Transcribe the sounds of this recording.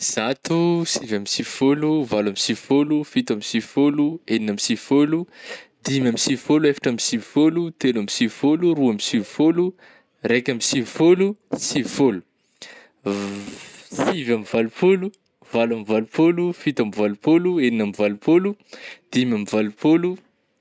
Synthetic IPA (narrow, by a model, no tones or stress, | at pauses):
z̥at̪usivamisivifoluvalamisivifolufit̪amisivifolueninamisivfolud̪imamisivifoluefḁʈ͡ʂamisivi̥folut̪elamisivifoluɾuamisivifolu | rekʲamisivifolusivifolu̥ | sivamivalupolu | valamivalupolufit̪amivalupolueninamivalupolud̪̥imamivalupolu